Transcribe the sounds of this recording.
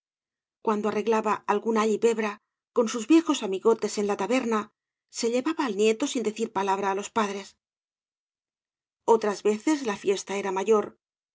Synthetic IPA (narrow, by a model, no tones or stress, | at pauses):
kwand̪oare̞ɣlaβaːlɣunaʎipe̞βɾa | ko̞nsuzβje̞xo̞samiɣo̞t̪e̞se̞nlat̪aβe̞ɾna | se̞ʎe̞βaβaːlnje̞t̪o̞sind̪e̞θiɾpalaβ̞ɾaːlo̞spaðɾe̞s | o̞t̪ɾazβe̞θe̞zlafje̞st̪ae̞ɾamaʝo̞ɾ